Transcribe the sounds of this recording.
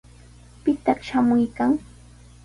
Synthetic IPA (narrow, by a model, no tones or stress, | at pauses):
pɪt̪ɑχʃamʊjkaŋ